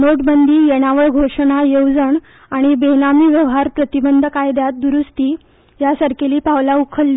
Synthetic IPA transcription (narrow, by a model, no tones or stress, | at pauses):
noʈbənd̪ʱiːjeɽ̃aʋəɭɡʱoʂəɳ̃ajəwd͡zəɳ | aɽ̃ibenamiːʋjəʋɦaɾpɾət̪ibənd̪ʱəkajd̪jat̪̚d̪uɾust̪iː | jasəɾkeliːpaʋlaukʰəlːiː